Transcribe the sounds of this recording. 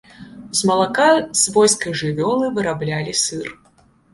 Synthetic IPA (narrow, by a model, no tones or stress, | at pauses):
zmɐlˠakazvɔjskɐjʐɨvʲɔlˠɨvɨɾablʲalʲisɨr